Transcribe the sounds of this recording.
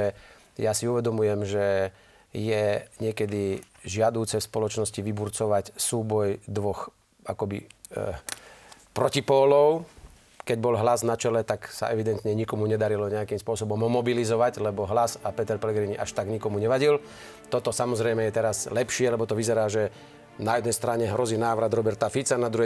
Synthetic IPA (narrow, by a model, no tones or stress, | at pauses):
ɛ | jasiuʋɛd̪ɔmujɛmʒɛ | jɛɲɪɛkɛd̪i | ʒɪad̪uːt͡sɛfspɔlɔt͡ʃnɔsciʋibuɾt͡sɔʋacsuːbɔjd̪ʋɔx | akɔbḭ | pɾɔcipɔːlɔʊ | kɛɟbɔlɦlaznat͡ʃɛlɛt̪aksa̰ʔɛʋid̪ɛnt̪ɲɛɲikɔmuɲɛd̪aɾilɔɲɛakimspʊɔsɔbɔmɦɔmɔbilizɔʋaɟlɛbɔɦlazapɛt̪ɛɾpɛlɛɡɾiɲiʔaʃt̪aɡɲikɔmuɲɛʋaɟil | t̪ɔt̪ɔsamɔzɾɛjmɛjɛt̪ɛɾazlɛpʃɪɛlɛbɔt̪ɔʋizɛɾaːʒɛ | najɛd̪nɛjst̪ɾaɲɛɦɾɔziːnaːʋɾad̪ɾɔbɛɾt̪afit͡sanad̪ɾuɦɛ